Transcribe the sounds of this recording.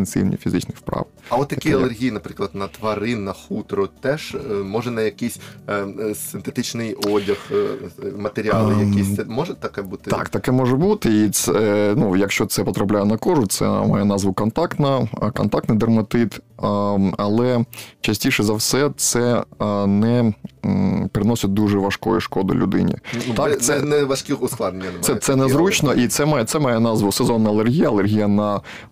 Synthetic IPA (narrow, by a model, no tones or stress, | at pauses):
ensḭwʲnʲḭfʲizɪ̰t͡ʃnɪxpɾɑ̰w | ɐʋɔt̪ːjɐkiɐlˠerɦʲijnɐpɾɪklˠɐd̪nɐt̪ʋɐɾɪnɐxut̪ɾɔt̪ɛʒmɔʒɛnɐjɐkisʲ | sɪnt̪et̪ɪt͡ʃnɪjɔdʲɐx | mɐt̪eɾʲɪɑlˠɪjɐkʲisʲɛmɔʒɛt̪ɐkɛbut̪ɪt̪ɑ̰kt̪ɐkɛmɔʒɛbut̪ɪit̪sɛnujɐkʃt͡ʃɔt̪sɛpɔt̪ɾɐplʲajɛnɐkɔʒʊt̪sɛ̰mɑ̰jɛnɑzʋʊkɔnt̪ɑkt̪nɐkɔ̰nt̪ɑk̚t̪nɪd̪ɐrmɐt̪ɪt̪ | ɐlˠɛt͡ʃɐsʲtʲiʃɛzɐwsɛt̪sɛnɛ | peɾɪnɔsʲɐt̚ʲd̪uʐɛʋɐʂkɔ̰jḭʃkɔd̪ʊ̰lʲʊ̰d̪ɪ̰nʲḭt̪ɑk̪sɛnɛʋɐʃkʲiʊslˠad̪nnʲɐnsɛt̪sɛnɛzɾut͡ʃnɔʔit̪sɛmɑjɛt̪sɛmɑjɛnɑzʋʊsɛzɔnːɐlˠerɦʲijɐɐlˠerɦʲijɐnɐ